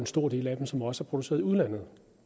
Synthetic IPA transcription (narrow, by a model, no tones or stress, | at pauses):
ensd̥o̝ɐ̰dɾe̝̰ːlæd̥em̩sɒ̽mɒ̽səæɐpʰʁod̥use̝ːɐð̞ˠiuð̞ˠlæn̰ð̩ˠ